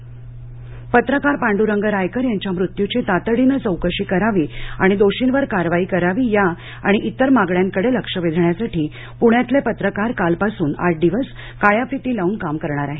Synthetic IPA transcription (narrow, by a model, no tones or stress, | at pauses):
pət̪ɾəkaɾpaɳɖuɾəŋɡəɾajkəɾjaɲt͡ɕjamɾut̪jut͡ɕet̪at̪əɽinət͡səwkəɕiːkəɾaʋiːa̰ɽ̃id̪oɕinʋəɾkaɾʋaiːkəɾaʋiːja | a̰ɽ̃iʔit̪əɾmaɡɭjaŋkəɽeləkʂəʋed̪ʱɳjasaʈiː | puɽjat̪lepət̪ɾəkaɾkalpasuːna̰ʈ̚d̪iʋəs | kajafit̪iːlauːnkamkəɾɳ̃aɾaɦe